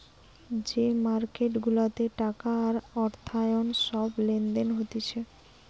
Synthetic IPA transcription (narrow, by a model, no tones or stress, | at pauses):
d͡ʑemaɾkeʈɡulat̪eʈakaːɾɔɾt̪ʰajonʃɔblend̪enɦot̪it͡ɕʰe